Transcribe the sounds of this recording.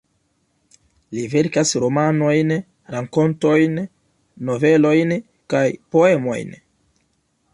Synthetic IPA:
live̞ɾkasɾo̞mano̞jn | ɾaŋko̞nto̞jnː | o̞ve̞lo̞jn | kajpo̞e̞mo̞̰jn

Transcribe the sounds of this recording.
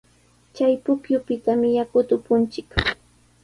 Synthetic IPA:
t͡ʃajpʊkjʊpɪt̪amɪjakʊt̪ʊpʊnt͡ʃɪk

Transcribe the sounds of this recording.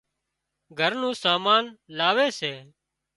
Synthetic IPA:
ɡʱəɾnũːsaːmaːnlaːʋeːseː

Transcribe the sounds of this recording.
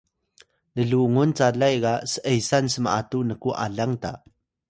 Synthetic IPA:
nəɮuŋunt͡saɮajɡasəʔəjsansəmaʔatunəkuʔa̰ɮaŋta̰

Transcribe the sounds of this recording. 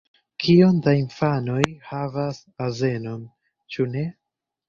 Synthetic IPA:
kʰio̞ndainfano̞jhavas | aze̞no̞m | t͡ʃune̞

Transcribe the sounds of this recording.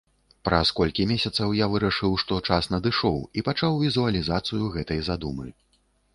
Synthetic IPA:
pɾɐskɔlʲkʲimʲesʲɐt̪sɐwjavɨɾɐʂɨwʂt̪ɔt͡ʂasnɐd̪ɨʂɔwipat͡ʂawvʲizuɐlʲizat̪sɨjuɣɛt̪ɐjzad̪umɨ

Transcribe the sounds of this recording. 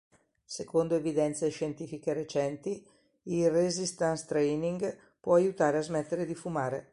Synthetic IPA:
sekond̪oevid̪ɛnt̪seʃent̪iːfikeɾet͡ʃɛnt̪i | ilrezist̪anst̪ɾɛjniŋɡ | pwɔajut̪aːɾeazmɛt̪ːeɾed̪ifumaːɾḛ

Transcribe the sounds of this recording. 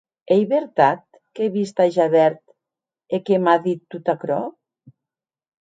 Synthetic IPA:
ejβeɾt̪at̪̚ | keβist̪aʒaβɛɾt̪ | ekemaðit̪ːut̪akɾɔ

